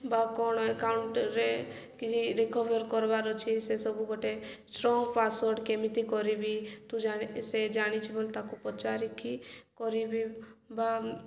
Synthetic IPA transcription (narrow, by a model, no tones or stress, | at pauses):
bakɔñɔekauɳʈɾe | kid͡ʒiɾekɔbɔɾkɔɾbaɾɔt͡ʃʰisesɔbuɡɔʈesʈɾɔŋɡpasɔɾɖkemit̪ikɔɾibit̪ud͡ʒased͡ʒaɽ̃it͡ʃʰibolt̪akupɔt͡ʃaɾikʰikɔɾibiba